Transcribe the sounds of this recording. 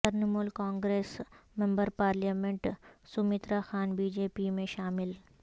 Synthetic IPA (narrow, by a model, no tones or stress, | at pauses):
d̪əɾnəmuːlkãːŋɡɾeːsmẽmbəɾpaːɾljaːmeɳʈsumit̪ɾaxaːnbiːd͡ʑeːpimẽʃaːmɪl